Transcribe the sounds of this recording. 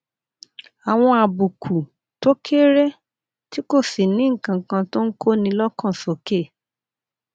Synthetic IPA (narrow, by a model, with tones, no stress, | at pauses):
a˨w̃ɔ̃˧a˨bu˨kʰu˨ | to˦kʰe˦ɾɛ˦ | ti˦ko˦˨si˨nĩ˨˦˨kã˧˨kã˧to˦n̩˦kʰo˦nĩ˧lɔ˦kɔ̃˦˨sɔ˨˦ke˦˨